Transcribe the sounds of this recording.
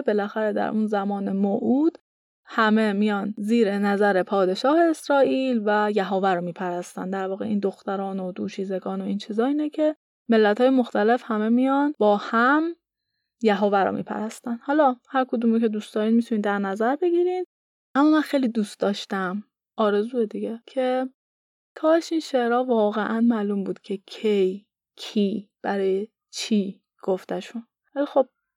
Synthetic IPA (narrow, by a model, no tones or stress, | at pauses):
be̞læxæɾed̪æ̰ɾʔunzæmɒːne̞moʔuːd̪̥ | hæme̞mijɒnziːɾenæzæɾepʰɒːd̪e̞ʃɒːhe̞ːsɾɒːʔilvæjæɦovæɾɔmiːpʰæɾæst̪æ̰nd̪æɾvɒːɣeʔiːnd̪o̞xt̪æɾɒːnod̪uːʃiːze̞ɡɒːno̞iːnt͡ʃʰizɒːiːnecʰe̞ | me̞lːæt̪ʰhɒːjemoxt̪æle̞fhæme̞mijɒnbɒːhæm | jæɦovæɾɔ̰mʔḭːpʰæ̰ɾæst̪ænd̪hɒːlɒːhæɾkʰod̪uːmicʰe̞d̪uːstd̪ɒːɾinmit̪ʰuniːnd̪æɾnæzæɾbe̞ɡiɾin | ʔæmːɒːmænxejlid̪uːst̪d̪ɒːʃt̪æm | ʔɒːɾe̞zuːed̪iɡecʰe̞ | t̪ʰɒːeʃinʃeʔɾɒːvɒːɣeʔænmæːluːmbuːd̪̥cʰecʰej | cʰiːb̥æɾɒːje | t͡ʃʰiː | ɡ̥oft̪æʃun | vælixo̞b̥̚